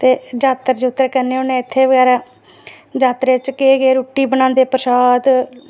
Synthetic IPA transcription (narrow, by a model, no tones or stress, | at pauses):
t̪eːd͡ʒaːt̪əɾd͡ʒʊt̪ːəɾkəɾneːʊnẽːɪt̪ʰːeːʋəɡɛːɾaː | d͡ʒaːt̪ɾeːt͡ʃkeːɡeːɾuːʈːiːbənãːnd̪eːpəsaːd̪